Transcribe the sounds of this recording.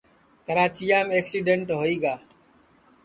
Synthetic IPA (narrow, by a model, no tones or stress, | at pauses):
kəɾaːt͡ʃijaːmeːksiːɖeɳʈɦoːiːɡaː